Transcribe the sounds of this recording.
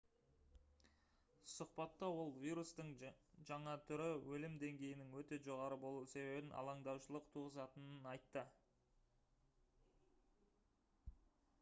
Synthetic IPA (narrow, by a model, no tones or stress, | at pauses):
sʊqpɑt̪ːɑwo̞lˠvʲijɾust̪əɴʒɑɴɑt̪ʰʏɾɪwɵlɪmd̪e̞ŋɡʲe̞jɪnɪŋwɵt̪e̞ʒo̞ʁɑɾəbo̞lˠuse̞be̞bɪnʔɑ̰lˠɑɴd̪ɑwʃəlˠəqt̪ʰuʁəzɑt̪ənənɑjt̪ːə